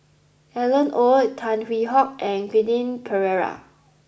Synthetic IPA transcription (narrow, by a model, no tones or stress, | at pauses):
ʔɛlə̃nʔotʰãnɹiɦɔk̚ʔɛ̃nɡidĩnpʰəɹɛɹa̰